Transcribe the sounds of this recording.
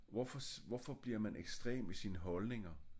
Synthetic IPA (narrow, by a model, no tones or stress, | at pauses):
ʋɒfɒsʋɒfɒ̽b̥liɐmænʔeɡ̥sd̥ʁḛːmisiːnəɦɒ̽lne̝ŋɐ